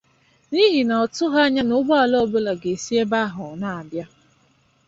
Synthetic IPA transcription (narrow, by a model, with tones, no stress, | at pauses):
ni˦ɦi˨na˨ɔ˨tʊ˦ɦa˦ɲa˦nʊ˦bɔ˦a˨lɔ˦bʊ˦la˨ɡe˨si˦e˦ba˦ɦʊ˨na˨a˨bja˦